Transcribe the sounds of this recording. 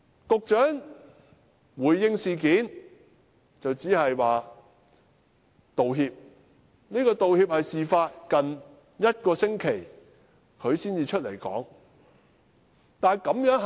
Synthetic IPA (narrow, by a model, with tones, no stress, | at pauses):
kʊ˨k̚t͡ʃœː˨˥ŋ | wuː˨jːɪ˧ŋsiː˨kiː˨˥n | t͡sɐ˨wt͡siː˨˥hɐ˨jwaː˨ | t̪o˨wɦiː˧p̚ | niː˥kɔː˧t̪o˨whiː˧p̚hɐ˨jsiː˨faː˧t̚kɐ˨n | jɐ˥t̚kɔː˧sɪ˥ŋkʰe˨˩j | kʰɵ˨˧ɥsiː˥nt͡siː˨˧t͡ʃʰɵ˥t̚le˨˩jkɔ̰ː˨˥ŋ | t̪aː˨nkɐ˨˥mjœː˨˥ŋ